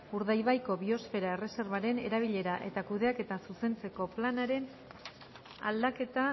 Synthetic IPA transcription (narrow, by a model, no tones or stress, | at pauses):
uɾðajβajko̞βio̞sfe̞ɾae̞re̞se̞ɾβaɾe̞ne̞ɾaβ̞iʎe̞ɾaʔe̞̰t̪akuðe̞ake̞t̪asuse̞nt͡se̞ko̞planaɾe̞n | a̰ld̪ake̞t̪a